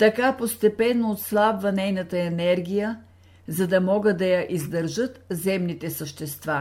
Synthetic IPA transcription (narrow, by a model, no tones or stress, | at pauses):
t̪ɐkapost̪ɛpɛnːoːt̪slˠabvɐnɛjnɐt̪əɛnɛɾɡʲijə | zɐd̪ɐmɔɡəd̪ɐjɐʔizd̪əɾʒɤt̪zɛmnit̪ɛsəʃt̪ɛst̪va